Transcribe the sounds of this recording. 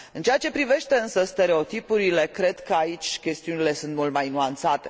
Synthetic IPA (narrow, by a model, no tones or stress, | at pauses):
ɨnt͡ʃeat͡ʃe̞pɾive̞ʃt̪e̞ɨnsəst̪e̞ɾe̞o̞t̪ipuɾile̞kɾe̞d̪kəait͡ʃʲkʲe̞st̪iunile̞sunt̪mult̪majnuant̪sat̪e̞̥